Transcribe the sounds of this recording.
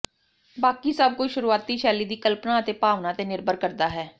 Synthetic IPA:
baːkiːsəb̚kʊt͡ʃʃʊɾuːaːt̪iːʃɛːliːd̪iːkəlpnaːət̪eːpaːʋnãːət̪eːnɪɾbəɾkəɾd̪aːɦɛː

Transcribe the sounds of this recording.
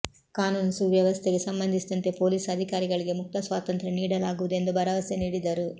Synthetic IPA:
kaːnuːnsuʋjɐʋɐst̪ʰeɡe̞sɐmbɐnd̪ʱisid̪ɐnt̪e̞po̞ːliːsɐd̪ʱikaːɾiɡɐɭiɡe̞muk̚t̪ɐsʋaːt̪ɐnt̪ɾɐniːɽɐlaːɡuʋud̪ue̞nd̪ubɐɾɐʋɐseniːɽid̪ɐɾu

